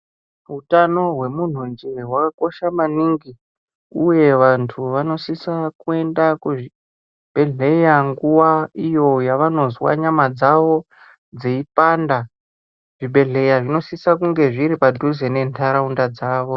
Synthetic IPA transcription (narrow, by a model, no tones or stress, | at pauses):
ɦutano̞ɦwe̞mun̤und͡ʒeɦwakako̞ʃamaniŋɡi | uje̞ʋantʰuʋano̞sisakue̞ndakuʐi | b̥e̞ɮe̞jaŋɡuwaijo̞jaʋano̞zwa̰ɲamad͡zaʋo̞ | d͡zeipanda | ʐ̥iɓʱe̞ɮe̞jaʐino̞sisakuŋɡe̞ʐiɾipadʱuze̞ne̞ntʰaɾaundad͡zaːʋo̞